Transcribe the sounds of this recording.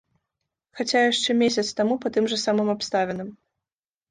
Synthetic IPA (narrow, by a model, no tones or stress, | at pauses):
xat͡sʲajaʂt͡ʂɛmʲesʲɐt̪st̪amupɐt̪ɨmʐɐsamɨmapst̪avʲɛnɨm